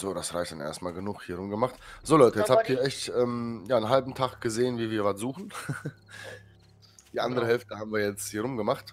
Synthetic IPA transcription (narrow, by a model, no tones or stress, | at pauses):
z̥oːɾasʁaɪçtd̥anʔḛɐstmaːlɡənuːχhiːɐʁʊmɡəmaχtz̥oːlɔʏtəjɛt͡shabthiːɐʔɛçtʔɛːmjaːnɦalbm̩tʰaχɡ̥əzeːənviːɐviːɐvatz̥uːχn̩ | d̥iːʔandəʁəɦɛlftəhaːbm̩viːɐjɛt͡sthiːɐʁʊmɡəmaχt